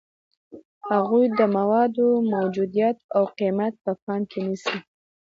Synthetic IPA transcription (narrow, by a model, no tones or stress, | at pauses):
haɣujd̪əmawɑd̪omawd͡ʒud̪ijat̪̚awqimat̪̚pəfɑnkʰenisi